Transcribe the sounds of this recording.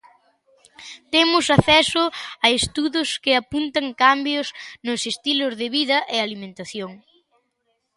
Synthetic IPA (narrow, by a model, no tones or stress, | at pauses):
t̪emʊsaθɛsʊɐest̪uðʊskɪapunt̪ɐŋkambjʊsnʊsest̪ilʊzðɪβiðɐʔɪalimẽnt̪aθjoŋ